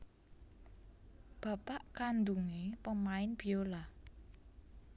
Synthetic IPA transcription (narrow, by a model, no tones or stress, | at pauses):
b̥a̤paʔkand̪uŋepəmaɪnb̥i̤ola